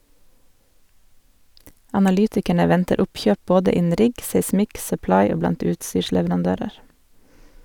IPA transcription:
ɑnɑˈlyːtɪkæɳə ˈʋɛntəɾ ˈʊpˌçøːp ˈboːdə ˈɪnn̩ ˈɾɪɡ seɪˈsmɪk sœˈplɑɪ ˈoː ˈblɑnt ˈʉːtˌsyːʃlɛʋɾɑnˌdøːɾəɾ

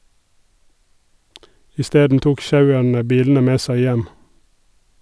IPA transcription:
ɪˈsteːdn̩ ˈtuːk ˈʃɑʉəɳə ˈbiːln̩ə ˈmeː ˈsæɪ ˈjɛm

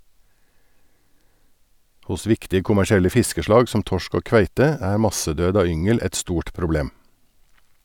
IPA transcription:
ˈhʊs ˈʋɪktɪ kʊmæʃɪˈɛlə ˈfɪskəʃlɑːɡ sm̩ ˈtɔʃk ˈoː ˈkʋæɪtə ˈæː ˈmɑsəˌdøːd ˈɑː ˈʏŋəl ˈɛt ˈstuːʈ pɾʊˈbleːm

